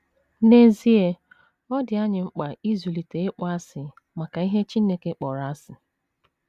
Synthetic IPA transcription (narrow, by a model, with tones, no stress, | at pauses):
ne˦zi˦e˦ | ɔ˦dɪ˨a˦ɲɪ˨ŋ͡m̩˦k͡pa˨i˦zu˨li˨te˨ɪ˦k͡pʷa˦sɪ˨ | ma˨ka˨i˦ɦe˦t͡ʃi˦ne˦˨ke˦k͡pɔ˨ɾa˦sɪ˨